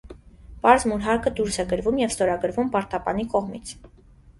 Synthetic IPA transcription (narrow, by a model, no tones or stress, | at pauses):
pɑɾzmuɾɦɑɾkʰəd̪uɾsɛɡəɾvumjɛvst̪ɔɾɑɡəɾvumpɑɾt̪ɑpɑ̰nikɔʁmit͡sʰ